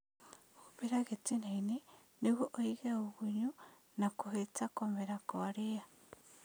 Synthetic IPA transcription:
oβeɾaɣet͡sinaine | neɣoʔoiɣeoɣuɲu | nakoɦet͡sakomeɾakoaɾia

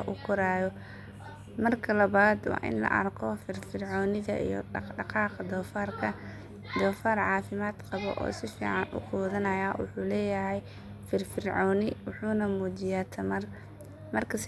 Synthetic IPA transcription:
ʔʊkʰʊɾaːjɔ | mɐrkʰɐlɐβaːd̪wɑ̰ːʔɪ̰nlɐ̰ʔɐ̰rkʰɔfɪrfɪrʕɔːnɪðɐʔḭjɔ̰ɖɑqɑːqɐd̪ɔːfaːrkʰɐ | d̪ɔːfaːrʕɑːfɪmaːd̪qɑβɔ̰ʔɔ̰ːsɪfḭːʕɑnʔʊ̰qɔːðɐnɐjaːwʊ̰ħuːlɛːjɐɦɛj | fɪrfɪrʕɔːnɪwʊħuːnɐmuːt͡ʃɪjaːt̪ʰɐmɐr | mɐrkʰɐs

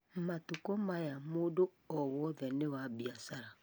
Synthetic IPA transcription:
m̩matʊkɔmajamodo | ɔwɔðɛnɪwabiasaɾa

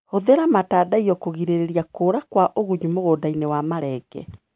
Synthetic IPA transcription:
hoðeɾamataːdaiɔkoɣiɾeɾeɾiakoːɾakwaʔoɣuɲumoɣoːdainewamaɾɛɡɛ̰

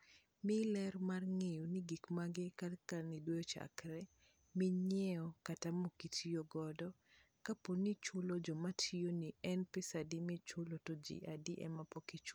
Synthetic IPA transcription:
mɪlɛrmarŋejoniɡikmaɡɪkalkanidwojɔt͡ʃa̰kɾɛ | miɲɛɔkatamokitʰioɡɔdɔ | kaponːit͡ʃʊlod͡ʒɔmatʰijoniɛnpisadimɪt͡ʃʊlotod͡ʒḭʔadiʔɛ̰mapɔkit͡ʃ

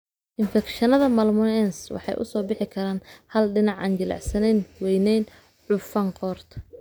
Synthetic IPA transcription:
ʔɪnfɛkʃɐnɐðɐmɐlmʊnɛnswɑ̰ħɑ̰jʔʊ̰sɔːbɪħɪkʰɐɾaːnhɐlɖɪnɑʕɑːnt͡ʃɪlɑ̰ʕsɐnɛnwɛjnɛjn | ʕʊfɐɴqɔːrt̪ʰ

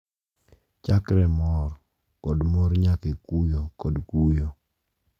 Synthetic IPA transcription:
t͡ʃakɾɛmɔɾ | kɔdmoɾɲakekujokɔdkujo

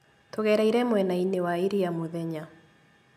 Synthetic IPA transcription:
toɣɛɾaiɾɛmwɛnainewaiɾijamoðɛɲa

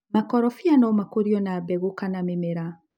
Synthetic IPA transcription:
makɔɾɔfianɔmakoɾiɔnabɛɣokanamemeɾa

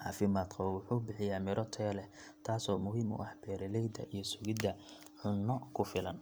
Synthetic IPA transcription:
ʕɑ̰ːfɪmaːd̪qɑβɐwʊħuːbɪħɪjaːmɪɾʔɔt̪ʰɛːlɛ | t̪ʰaːsɔːmʊɦiːmʊ̰ʔɐħb̥ɛːɾɛlɛjd̪ɐ̰ʔijɞsʊɣɪd̪ɐ | ʕʊnːɔkʰʊfɪlɐn

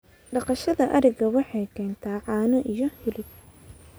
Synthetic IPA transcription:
ɖɑqɑʃɐðɐʔɐɾɛɣɐwɑħɑjkʰɛːnt̪ʰaːʕɑːnɔʔijɔhɪlɪb̚

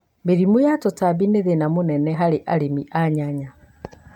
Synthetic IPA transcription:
beɾimojatotabineðenamonɛnɛɦaɾeʔaɾemiʔaɲaɲa

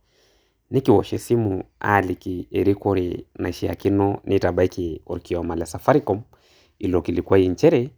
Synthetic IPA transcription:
nikiwɔʃɛsimua̰likiɛɾikɔɾina̰ʃia̰kinɔnʔitabaikiɔ̰ɾkiɔmalasafaɾikɔm | ilɔkilikuaiɲt͡ʃɛɾɛ

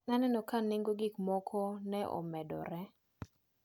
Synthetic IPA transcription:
nanɛnɔkaneŋɡoɡɪkmɔkʰɔnɛʔɔ̰mɛdɔ̰ɾɛ

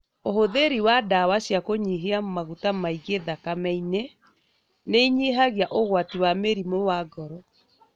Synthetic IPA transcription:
ohoðeɾiwadawaɕjakoɲiɦeamaɣutamaiɡeðakamɛine | neiɲiɦaɣjaʔoɣwatiwameɾimowaɡɔɾɔ

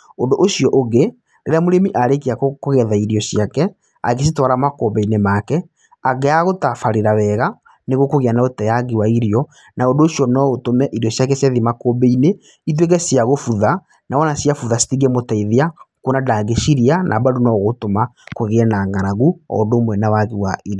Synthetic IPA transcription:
ondoʔoʃijɔʔoɣe | ɾḛɾeamoɾemiʔaɾekeakokoɣɛðaiɾjɔsiakɛ | a̰ɣes̬itwaɾamakobɛinemakɛ | aɣɛaɣotafaɾeɾawɛɣa | neɣwokoɣeanaotɛjaɡewaiɾiɔ | naondoːsiɔnɔotomɛʔiɾjɔsjakɛsjaðimakobɛine | it̬wek̬ɛsiaɣofuða | nʔawɔnasjafuðasi̥tiɣemotaiðeakonadaːɣeʃiɾianʔa̰badunɔɣotomakoɣeɛnaːŋɡaɾaɣuɔ̰domwɛnawaɣiwaiɾi

